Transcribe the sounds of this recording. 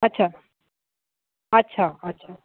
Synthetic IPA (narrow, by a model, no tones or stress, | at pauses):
ɐtːɕʰa | ɐtːɕʰaɐtːɕʰa